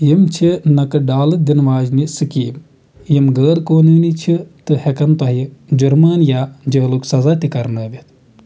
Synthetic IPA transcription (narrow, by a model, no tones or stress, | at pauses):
jimt͡ʃʰinɐkɨɖaːlɨd̪inʋaːd͡ʒnisɨkiːm | jimɡəːɾkoːniːnit͡ʃʰit̪ɨhekɐnt̪ɐɦid͡ʒuɾmaːnjaːd͡ʒɐːluksɐzaːt̪ikɐɾnɐːʋʲit̪ʰ